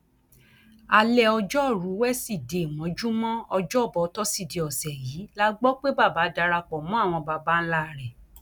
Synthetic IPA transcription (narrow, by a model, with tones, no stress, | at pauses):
a˧lɛ˦˨ɔ˧d͡ʒɔ˦˨ɾu˨˦wɛ˦si˦˨de˨mɔ̃˨˦d͡ʒu˦mɔ̃˦ɔ˧d͡ʒɔ˦˨bɔ˨˧˦tɔ˦si˦˨de˧˨ɔ˨sɛ˨jiː˨˦la˦ɡ͡bɔ˦k͡pe˦ba˦˨ba˨˦da˧ɾa˧k͡pɔ˨mɔ̃˦˨w̃ɔ̃˧ba˧ba˦n̩˦la˦˨ɾɛ˨